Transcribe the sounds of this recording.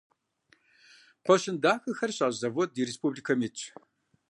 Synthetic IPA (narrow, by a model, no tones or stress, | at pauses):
qʷɔɕɪndaːxɐxɐrɕʼaːʑzɐvodiɾespuːbliːkʰɐmit͡ʃʰʼ